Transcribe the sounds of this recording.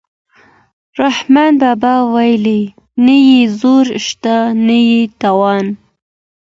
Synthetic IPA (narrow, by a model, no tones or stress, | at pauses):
ɾahmɑnbɑbɑwajli | najezoɾʃt̪anajet̪awɑn